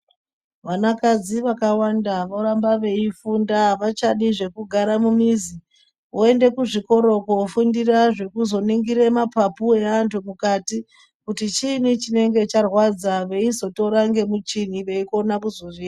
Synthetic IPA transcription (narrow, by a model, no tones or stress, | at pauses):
ʋanakad͡ziʋakawandaʋoɾambaʋe̞ifundaʋat͡ʃaɗiʐe̞kuɡʱaɾamumizi | oe̞nde̞kuʐiko̞ɾo̞kofundiraʐe̞kuzo̞niŋɡiɾe̞mapapue̞antʰumukati | kutit͡ʃinit͡ʃine̞ŋɡe̞t͡ʃarwad͡zaʋe̞izo̞to̞ɾaŋɡe̞mut͡ʃiniʋe̞iko̞nakuzoʋiːra